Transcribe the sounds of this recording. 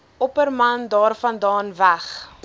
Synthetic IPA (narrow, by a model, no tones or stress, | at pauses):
ɔpərmɐndɑːrfɐndɑːnvæχ